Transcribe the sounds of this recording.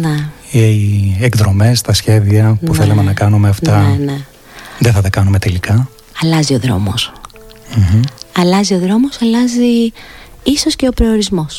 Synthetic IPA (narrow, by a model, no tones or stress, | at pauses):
ne | ekðɾo̞me̞st̪ɐsçe̞ðiɐɐpuθe̞lɐme̞nɐkɐnume̞ɐft̪ɐne | ðeθɐt̪ɐkɐnume̞t̪e̞likɐ | ɐlɐzioðɾo̞̰mo̞̰s | m̩mm̩ɐlɐzio̞ðɾo̞mo̞sɐlɐzi | iso̞sce̞opɾooɾizmo̞s